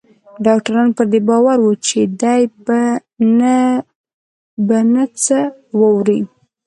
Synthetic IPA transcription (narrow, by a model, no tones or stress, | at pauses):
ɖɑk̚ʈaɾɑnpəɾd̪ebɑwaɾwut͡ʃed̪ajbn | banət͡səwəwɾi